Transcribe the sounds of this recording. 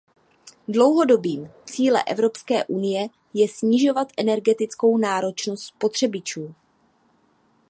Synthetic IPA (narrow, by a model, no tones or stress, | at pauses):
dlo̞wɦo̞do̞biːmt͡siːlɛ̰ʔɛvɾo̞pskɛ̰ːʔunɪjɛ | jɛsɲɪʒo̞vat̪ʔɛnɛɾɡɛt̪ɪt͡sko̞wnaːɾo̞t͡ʃnost̪spo̞t̪r̝̥ɛbɪt͡ʃuː